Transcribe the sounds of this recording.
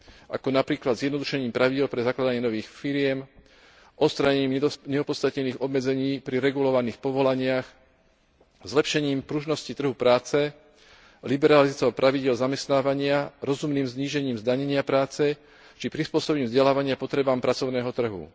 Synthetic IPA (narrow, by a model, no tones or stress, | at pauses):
a̰kɔnapɾiːklad̪zjɛd̪nɔd̪uʃɛɲiːmpɾʔaʋiɟɛlpɾɛzaklad̪aɲɛnɔʋiːxfiɾɪɛm | ʔɔst̪ɾaɲɛɲiːmɲɛɔpɔt̪st̪at̪ɲɛniːɣɔbmɛd͡zɛɲiːpɾiɾɛɡulɔʋaniːxpɔʋɔlaɲɪax | zlɛpʃɛɲiːmpɾuʒnɔscit̪r̩ɦupɾaːt͡sɛ | libɛɾalizat͡sɔʊpɾʔaʋiɟɪɛlzamɛst̪naːʋaɲɪaɾɔzumniːmzɲiːʒɛɲiːmzd̪aɲɛɲɪapɾaːt͡sɛ | t͡ʃipɾispʊɔsɔbɲiːmvzɟɛlaːʋaɲɪapɔt̪ɾɛbaːmpɾat͡sɔʊnɛːɦɔt̪r̩ɦṵ